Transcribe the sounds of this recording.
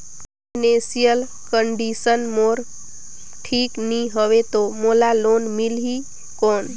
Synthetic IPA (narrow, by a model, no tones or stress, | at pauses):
nesijəl | kəɳɖisənmoːɾ | ʈʰiːknĩɦəʋet̪omolaloːnmilɦi | koːn